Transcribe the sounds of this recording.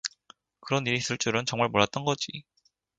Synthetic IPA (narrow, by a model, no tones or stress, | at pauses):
kɯɾʌniɾis͈ʰɯɭt͡ɕ͈uɾɯnt͡ɕʌŋmaɭmoɭːat̚t͈ʌnɡʌd͡ʑi